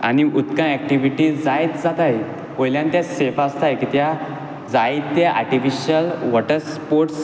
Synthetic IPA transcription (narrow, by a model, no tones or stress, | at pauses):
a̰niʔut̪kãɛk̚ʈiʋiʈiːd͡zajt̪d͡zat̪aj | ojljãnt̪jasefast̪ajkit̪ja | d͡zajt̪ːjaʔa̰ɾʈifiɕəlʋɔʈəɾspoɾʈs